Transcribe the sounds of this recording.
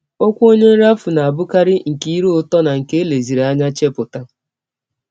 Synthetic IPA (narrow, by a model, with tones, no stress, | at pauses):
o˦kʷo˦ɲe˦ɾa˦fu˨na˨a˨bʊ˦ka˦ɾɪ˦ŋ̩˨ki˦i˦ɾu˦ʊ˦tɔ˦na˨ŋ̩˨ke˦e˦le˨zi˨ɾa˦ɲa˦t͡ʃe˦pʊ˨ta˦